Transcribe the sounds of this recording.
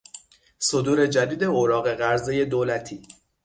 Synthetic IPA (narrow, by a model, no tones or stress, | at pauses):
sod̪uːɾe̞d͡ʒæd̪iːd̪e̞oɾɒːɣe̞ɣæɾzeje̞d̪oːlæt̪ʰiː